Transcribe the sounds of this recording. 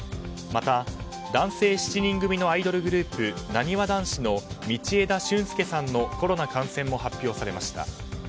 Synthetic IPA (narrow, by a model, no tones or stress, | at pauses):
mat̪a | d̪ãɰ̃se̞ːɕi̥t͡ɕiɲ̟ĩŋɡɯ̟mʲino̞aid̪o̞ɾɯ̟ɡɯ̟ɾɯ̟ːpɯ̟naɲ̟iβad̪ãɰ̃ɕino̞mʲit͡ɕie̞d̪aɕɨ̃ɰ̃sɨ̥ke̞sãnːo̞ko̞ɾo̞nakãɰ̃sẽ̞mːo̞ɦapʲːjo̞ːsaɾe̞maɕi̥t̪a̰